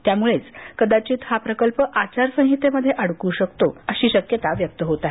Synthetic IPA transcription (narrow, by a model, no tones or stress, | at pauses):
t̪jamuɭet͡skəd̪at͡ɕiːt̪hapɾəkəlpəʔat͡ɕaɾsə̃ŋ̃ɦit̪eməd̪ʱːjeʔəɽkuːɕəkt̪oəɕiːɕəkjət̪aʋjək̚t̪əɦot̪aɦe